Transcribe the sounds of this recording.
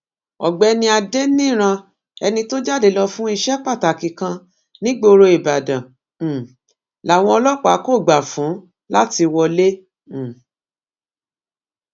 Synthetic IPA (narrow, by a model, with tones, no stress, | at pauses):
ɔ˨ɡ͡bɛ˨˦nĩ˧˦a˧de˦nĩ˦˨ɾ̃ã˧ | ɛ˧nĩ˧to˦d͡ʒa˦˨de˨lɔ˧fũ˦i˦˧ʃɛ˦k͡pa˦˨ta˨ki˨kã˧ | nĩ˦ɡ͡bo˧ɾo˧i˨ba˨dã˨ | la˨w̃ɔ̃˧ɔ˧lɔ˦k͡pa˨˦ko˦˨ɡ͡ba˨fũ˨˦ | la˦ti˧wɔ˧lẽ˦˨